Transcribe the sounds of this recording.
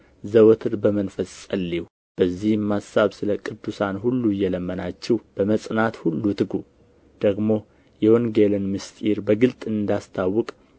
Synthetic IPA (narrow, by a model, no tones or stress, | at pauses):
zəwɔt̪ʰɨɾbəmənfəsʼəlːiwu | b̥əzːihmːasːaβsɨləkʼɨd̪ːusanhulːuɨjːɛləmːənat͡ʃːɛwb̥əməsʼnat̪hulːut̪ʰɨɡu | d̪̥əɡmo̞ | jɛwoŋɡelɨnmɨst̪ʼiɾbəɡɨlt̪ʼɨnd̪ast̪ʰawːɨkʼ